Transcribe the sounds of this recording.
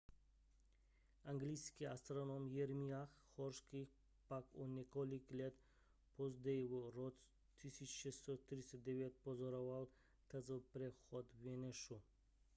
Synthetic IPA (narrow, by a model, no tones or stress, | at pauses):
aŋɡliskiast̪ɾonɔmjɛɾmiaxxɔɾʃkix | pakɔnʲɛkɔliklɛt̪ | pɔzd̪ɛjvuɾɔt͡s | t̪ʰːisit͡ʃʃɛst̪ɔt̪ɾisɛd̪ɛvjɛt̪̚pɔzɔɾɔval | t̪ʰəzəpɾɛxɔt̪vɛnɛʃu